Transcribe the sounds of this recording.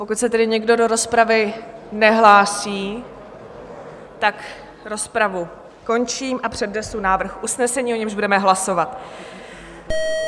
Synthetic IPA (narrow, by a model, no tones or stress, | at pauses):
po̞kut̪sɛt̪ɛdɪɲɛɡdo̞do̞ɾo̞spɾavɪnɛɦlaːsiː | t̪ak | ɾo̞spɾavu | ko̞nt͡ʃiːmʔapr̝̥ɛdnɛsunaːvr̩xʔusnɛsɛɲiːo̞ɲɛmʒbudɛmɛɦlaso̞vat̪